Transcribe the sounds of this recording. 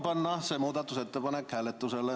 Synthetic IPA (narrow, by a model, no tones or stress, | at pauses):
pɑnːɑsemuːd̪ɑt̪ːuset̪ːepɑnekhælːet̪ːuselːe